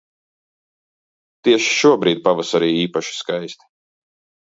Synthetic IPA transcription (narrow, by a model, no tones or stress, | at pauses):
t̪iɛʃi̥ʃuɔbɾiːd̪̚pavasaɾiːiːpaʃi̥skajst̪i̥